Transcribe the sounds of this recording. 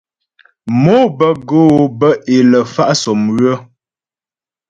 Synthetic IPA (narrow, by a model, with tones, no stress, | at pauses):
mo˦bə˦ɡo˦bə˦ʔe˨lə˨fa˦ʔsɔ˨mɣə˦